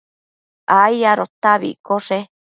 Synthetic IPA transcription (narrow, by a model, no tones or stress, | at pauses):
ajaɾot̪aβḭkoʂe